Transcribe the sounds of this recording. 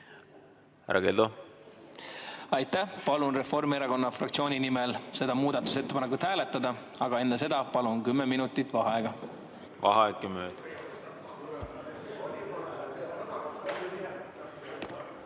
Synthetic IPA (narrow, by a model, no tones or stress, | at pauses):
hæ̰ɾʔɑ̰ɡeld̪o | ɑjt̪ːˑæhpɑlunre̞fo̞rmieɾɑko̞nːɑfrɑkt̪sio̞ːnʲinimelse̞d̪̥ɑmuːd̪̥ɑt̪ːˑu̥se̞t̪ːe̞pɑnekut̪hæːle̞t̪ːˑɑd̪̥ɑɑɡ̥ɑe̞nːes̬e̞d̪̥ɑpɑlunkymːeminut̪ːˑit̪ːvɑɦeɡ̥ɑ | vɑ̰ɦɑekːjɑmøːd̪̥